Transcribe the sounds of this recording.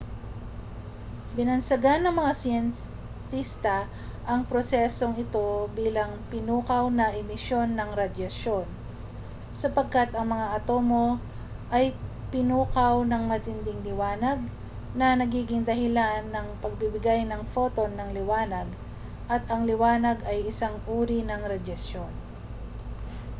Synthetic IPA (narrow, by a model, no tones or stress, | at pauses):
bɪnɐnsɐɡanːɐŋmɐŋasɪjɛn | sist̪ɐ | ʔɐŋpɾosɛso̞ŋɪt̪o̞biːlɐŋpɪnuːkɐwnɐʔɪmɪʃjo̞nːɐŋɾad̪jɐʃo̞n | sɐpɐɡ̚kat̪ɐŋmɐŋaʔɐt̪o̞mo̞ | ʔɐjpɪnuːkɐwnɐŋmɐt̪ɪnd̪ɪŋlɪwaːnɐɡ̚ | nɐnɐɡiːɡɪŋd̪ɐɦɪlanːɐŋpɐɡ̚bɪbɪɡajnɐŋfo̞ːt̪o̞nɐŋlɪwaːnɐɡ | ʔɐt̪ʔɐŋlɪwaːnɐɡɐjʔɪsaŋʔuːɾinɐŋɾɐd̪jɐʃjo̞n